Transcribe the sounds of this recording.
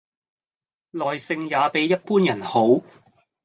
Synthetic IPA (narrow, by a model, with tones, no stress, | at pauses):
lɔː˨jsɪ˧ŋjaː˨˧pe˨˥jːɐ˥t̚puː˥njɐ˨˩nho˨˥w